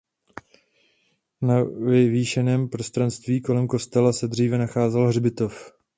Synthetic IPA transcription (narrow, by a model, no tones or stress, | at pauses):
navɪviːʃɛnɛːmpɾo̞st̪ɾanst̪viːko̞lɛmko̞st̪ɛlasɛdr̝iːvɛnaxaːzɛlɦrbɪt̪o̞f